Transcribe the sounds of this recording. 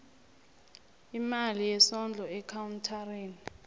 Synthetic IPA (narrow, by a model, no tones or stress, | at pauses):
imalijɛsɔnd͡ɮʱɔɛkʰawntʰareːni